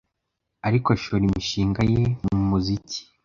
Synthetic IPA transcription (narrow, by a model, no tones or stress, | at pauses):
aɾikoaʃoɾimiʃiːŋɡajemumuzici̥